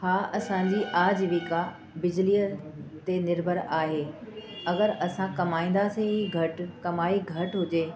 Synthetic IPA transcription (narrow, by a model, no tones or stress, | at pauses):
haːʔɐsãɲ̆d͡ʑiʔaːd͡ʑʋiːka | bɪd͡ʑliːət̪enɪɾbʱəɾaːɦeːɐɡəɾɐsãkɐmaːĩːn̆d̪aːseĩɡʱɐʈkɐmaːiɡʱɐʈɦʊd͡ʑeː